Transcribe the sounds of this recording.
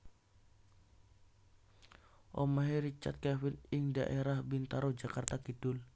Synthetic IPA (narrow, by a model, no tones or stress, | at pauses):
ʔɔmaɦiɾit͡ʃa̰t̪̚kɛwɪnɪŋda̰ʔeɾahbint̪aɾod͡ʒakart̪akidʊl